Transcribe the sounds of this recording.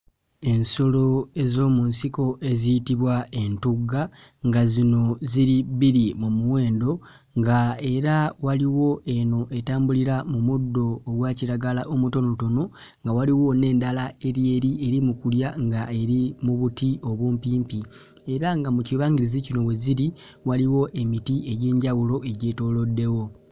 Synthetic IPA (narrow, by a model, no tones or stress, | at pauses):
e̞nso̞lo̞e̞zo̞ːmunsiko̞ʔe̞zijitiβwae̞ntuɡa | ŋɡazino̞ziɾiβiɾimumuwe̞ːndo̞ | ŋɡae̞ɾawaliwo̞ʔe̞no̞ʔe̞taːmbuliɾamumudːo̞ːɡwaːciɾaɡalaʔomuto̞noto̞no̞ | ŋɡawaliwo̞ne̞ːndalae̞ɾje̞ɾie̞ɾimukuljaŋɡae̞ɾimuβutio̞βwuːmpiːmpi | e̞ɾaŋɡamuciβaːŋɡiɾizicino̞βwe̞ziɾi | waliwo̞ʔe̞mitieɟe̞ːɲɟawulo̞ʔe̞ɟe̞ːto̞lo̞dːe̞wo̞